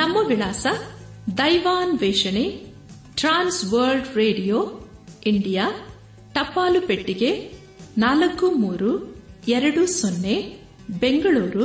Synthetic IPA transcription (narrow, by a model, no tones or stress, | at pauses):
nɐmːɐʋiɭaːsɐ | d̪ɐjʋaːnʋɛːʂɐne | ʈɾaːnsʋɐːɾlɖɾeːɖijoː | iɳɖijaː | ʈɐpːaːlupeʈːiɡe̞ | naːlɐkːumuːɾuɛɾɐɽusonːe | beŋɡɐɭuːɾu